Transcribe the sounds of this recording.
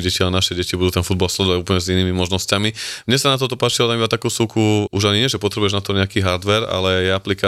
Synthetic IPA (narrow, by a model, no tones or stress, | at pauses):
ɟɛcianaʃɛɟɛcibud̪uːt̪ɛnfud̪balslɛd̪ɔʋaɟuːplɲɛziniːmimɔʒnɔscamimɲɛsanat̪̬ɔt̪ɔpaːt͡ʃiɔlaminat̪akuːsukuʔuʒaɲiɲɪɛʒɛpɔt̪ɾɛbujɛʒnat̪ɔɲɛakiːɦaɾd̪ʋɛɾa̰lɛjɛaplika